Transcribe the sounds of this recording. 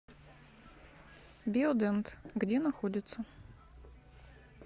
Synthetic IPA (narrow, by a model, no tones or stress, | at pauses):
bʲiod̪ɛnt̪ɡdʲenaxodʲɪt̪sə